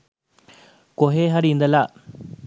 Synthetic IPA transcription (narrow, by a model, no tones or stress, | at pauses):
koɦeɦɐɾĩnd̪əla